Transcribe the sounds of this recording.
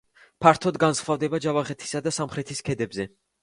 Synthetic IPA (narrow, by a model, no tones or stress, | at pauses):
pʰaɾt̪ʰɔd̪ɡansχvavd̪ɛbad͡ʒavaχɛt̪ʰi̥sad̪asamχɾɛt̪ʰiskʰɛd̪ɛbzɛ